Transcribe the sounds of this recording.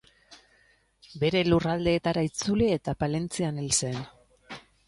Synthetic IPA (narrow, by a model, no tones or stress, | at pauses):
be̞ɾe̞lurald̪e̞ːt̪aɾait͡sulie̞t̪apale̞nt͡sianelse̞n